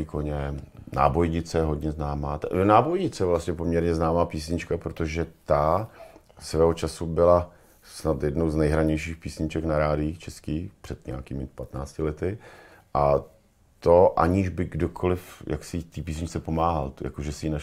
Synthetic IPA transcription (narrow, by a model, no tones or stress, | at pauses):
ikoɲɛna̰ːbo̞jɲɪt͡sɛɛɦo̞dɲɛznaːmaːt̪naːbojɲɪt͡sɛjɛvlast̪ɲɛp̬omɲɛɾɲɛznaːmaːpiːsɲɪt͡ʃkapɾot̪oʒɛt̪a | svɛːɦot͡ʃasubɪla | snat̪jɛdnowznɛjɦɾaɲɛjʃiːxpiːsɲɪt͡ʃɛknaɾaːdɪit͡ʃɛskiːpr̥ɛt̪ɲɛakiːmɪpat̪naːt͡scɪlɛt̪ɪʔa | t̪o̞ʔa̰ɲiʒbɪɡdokʰolɪfjʔa̰ksɪt̪iːpiːs̬ɲɪt͡sɛpomaːɦalja̰koʒɛsɪjina